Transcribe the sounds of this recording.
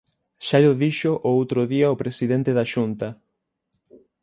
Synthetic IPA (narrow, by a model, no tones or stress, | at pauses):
ʃaʎoðiʃoʔoowt̪ɾoðiaopɾesiðent̪eðaʃunt̪ɐ